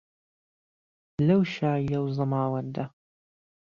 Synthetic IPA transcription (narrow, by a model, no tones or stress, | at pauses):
lɐwʃaːjɐwzɨmaːwɐɾd̪a